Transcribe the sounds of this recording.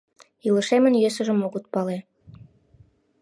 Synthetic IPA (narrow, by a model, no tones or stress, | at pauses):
ilə̆ʃemə̆njøs̬ə̆ʒə̆moɣət̪̚pɑle